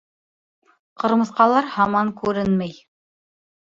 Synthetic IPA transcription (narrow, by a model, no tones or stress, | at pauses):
qɤ̆ɾmɤ̆θqɑlˠɑɾhɑmɑŋkʉɾɘnmæj